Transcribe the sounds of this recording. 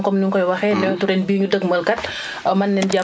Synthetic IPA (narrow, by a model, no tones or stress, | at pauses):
ŋkɔmniŋkɔjwɐxɛnɛɔtuɾɛnbiːɲudəɡməlkɐt̚ | mɐnːɛnɟa